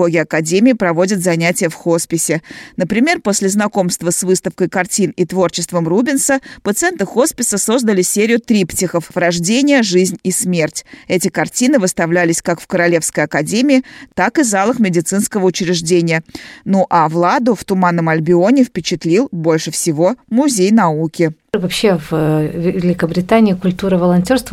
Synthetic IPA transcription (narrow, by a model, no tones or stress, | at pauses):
oɡʲɪɐkɐdʲemʲɪːpɾɐvo̞dʲɪt̪zɐnʲætʲɪjəfxospʲɪsʲɪnəpɾʲɪmʲe̞rpo̞sʲlʲɪznɐko̞mst̪vəsvɨst̪əfkəjkɐrtʲinit̪vo̞rt͡ɕɪst̪vəmrubʲɪnsəpət̪sɨɛnt̪ɨxo̞spʲɪsəso̞zd̪əlʲɪsʲeɾʲɪjʊt̪ɾʲiptʲɪxəfvrɐʐdʲenʲɪjəʐɨzʲnʲismʲe̞rtʲɛtʲɪkɐrtʲinɨvɨst̪ɐvlʲælʲɪsʲkakfkəɾɐlʲe̞fskəjɐkɐdʲemʲɪɪt̪akɨzalˠəxmʲɪdʲɪt̪sɨnskəvəʊt͡ɕɪɾʲɪʐdʲenʲɪjənuʔɐvlˠad̪ʊft̪ʊmanːəmɐlʲbʲɪo̞nʲɪfpʲɪt͡ɕɪt̪lʲilˠbo̞lʲʂɨfsʲɪvo̞mʊzʲejnɐukʲɪ | vɐpɕːevvʲɪlʲɪkəbɾʲɪt̪anʲɪːkʊlʲt̪uɾəvəlˠɐnʲtʲo̞rst̪v